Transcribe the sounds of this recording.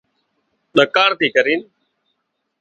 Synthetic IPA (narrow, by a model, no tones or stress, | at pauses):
ɗəkaːɳt̪iːkəɾiːn